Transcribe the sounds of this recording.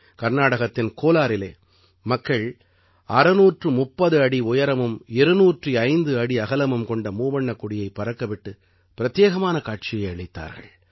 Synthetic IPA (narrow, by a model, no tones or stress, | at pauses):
kɐɾnaːɽɐɣɐt̪ːɪnkoːlaːɾɪleː | mɐkːɐɭ | ʔɐɾɯnuːʈrɯmʊpːɐðɯɐɽiʊjɐɾɐmɯmɪɾɯnuːʈriɐɪnd̪ɯɐɽiɐɣɐlɐmɯmkɔɳɖɐmuːʋɐɳːɐkːʊɽɪjɐɪpːɐɾɐkːɐʋɪʈːɯ | pɪɾɐt̪jeːɣɐmaːnɐkaːʈ̚t͡ʃɪjɐɪɐɭɪt̪ːa̰ːɾɣɐ̰ɭ